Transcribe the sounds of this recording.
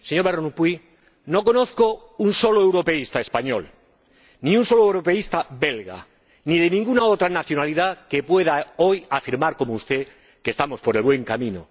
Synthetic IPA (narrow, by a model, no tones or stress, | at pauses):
seɲo̞ɾβeɾonupwi | no̞ko̞noθko | unso̞loewɾo̞pe̞ist̪ae̞spaɲo̞̰l | niunso̞loewɾo̞pe̞ist̪abe̞lɣa̰ | niðe̞nĩŋɡunaot̪ɾanaθjo̞naliðake̞pwe̞ð̞ao̞jafiɾmaɾko̞moust̪e̞ | kest̪amo̞spo̞ɾe̞lβwe̞ŋkamĩno̰